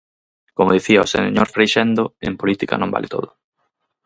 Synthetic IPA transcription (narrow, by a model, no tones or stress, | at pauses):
komoð̞iθiɐosḛɲoɾfɾejʃɛnd̪oḛmpolit̪ika̰nõmba̰lʔɪt̪o̰ðʊ